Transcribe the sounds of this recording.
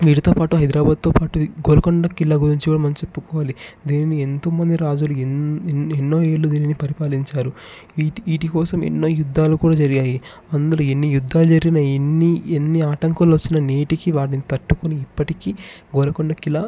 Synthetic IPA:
ʋiːɽit̪oːpaːʈuɦɐjd̪ɾaːbaːd̪̚t̪oːpaːʈuɡoːlɐkɔɳɖɐkilːɐɡuɾiɲt͡ʃikuːɽɐmɐnɐt͡ʃepːukɔːʋaːlid̪iːninient̪oːmɐnd̪iɾaːd͡ʒulu | enːo̞ːeːɭːud̪iːninipɐɾipaːliɲt͡ʃaːɾu | iːʈikɔːsɐmḛnːo̞ːjud̪ːaːlukuːɽaːd͡ʒɐɾiɡaːji | ɐnd̪uluenːijud̪ʱːaːlud͡ʒɐɾiɡinɐenːienːiaːʈɐŋkɐluʋɐt͡ʃːinɐniːʈikiʋaːɽinit̪ɐʈːukuniːpːɐʈikiː | ɡolɐkɔɳɖɐkilːɐ

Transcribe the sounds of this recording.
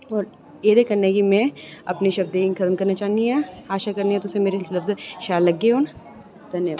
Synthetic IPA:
ɔːɾ | eːd̪ekɐɾnekimɛ̃ɐpniʃɐbd̪eiŋkʰɐt̪mkɐɾnat͡ʃaːɦniɦɛ̃ːaːʃakɐɾniɛ̃t̪ʊsemeːɾesɪlsɪlɐfzʃaːɾlɐɡːeɦoːn | d̪ʱɐnjəʋ

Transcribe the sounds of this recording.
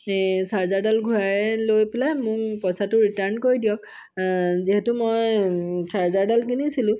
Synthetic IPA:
saɹzaɹdalɡʱujaɹɛlojpɛlajmʊkpɔsatʊɹitaɹnkoɹidijɔk | ziɦɛtʊmojsʰaɹzaɹdalkinisilʊ̃

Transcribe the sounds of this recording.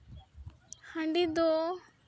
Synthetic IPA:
hãɳɖid̪ɔ

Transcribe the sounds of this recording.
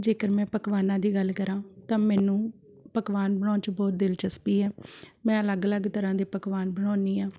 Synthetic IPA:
d͡ʒeːkəɾmɛ̃ːpəkʋaːnãːd̪iːɡəlkəɾãːt̪ãːmɛ̃ːnũː | pəkʋaːnbəɳɔːt͡ʃbɔːt̪̚d̪ɪlt͡ʃəspiːɛːmɛ̃ːələɡələɡt̪əɾãːd̪eːpəkʋaːnbəɳɔːniːãː

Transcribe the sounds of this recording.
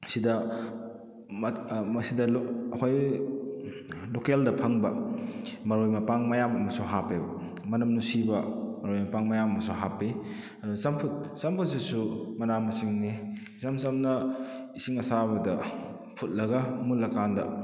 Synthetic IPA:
sidɐ | mmɐsidɐlɐkʰoj | lokeldɐpʰɐŋbɐ | mɐɾojmɐpaŋmɐjamɐmɐsuɦapebɐ̰ | mɐnɐmnusibɐmɐɾojmɐpaŋmɐjamɐmɐsuɦapi | ɐdusɐmpʰut̚sɐmpʰut̚sisumɐnamɐsiŋni | samsamnɐisiŋɐsaβɐdɐ | pʰut̚lɐɡɐmulɐkandɐ̰

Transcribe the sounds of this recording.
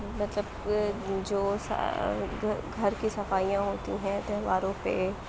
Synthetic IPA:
mɐt̪ləb | d͡ʒoːsa̰ | ɡʱɐɾkisɐfaːijãɦoːt̪iɦɛ̃t̪eʋaːɾõpe

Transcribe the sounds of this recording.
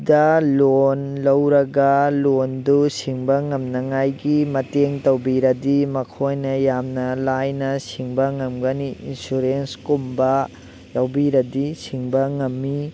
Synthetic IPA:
dɐlonlɐwɾɐɡɐlondusiŋbɐŋɐmnɐŋajɡimɐteŋtɐwbiɾɐdimɐkʰojnɐjamnɐlajnɐsiŋbɐŋɐmɡɐniḭnsuɾenskumbɐ | jawbiɾɐdisiŋbɐŋɐmːi

